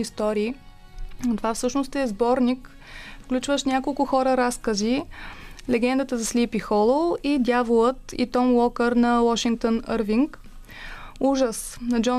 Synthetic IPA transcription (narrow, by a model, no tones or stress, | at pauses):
ist̪ɔɾiː | t̪ovafsɤʃnost̪ɛzbɔɾnik | fklʲut͡ʃvəʃnʲjakolˠkʊxɔɾəɾaskəzi | lɛɡɛnd̪ət̪əzɐslipixɔlˠolˠid̪ʲjavolˠət̪ḭt̪ɔmwɔkəɾnɐwɔʃiŋk̚t̪onəɾviŋk | uʒəsnɐd͡ʒɔ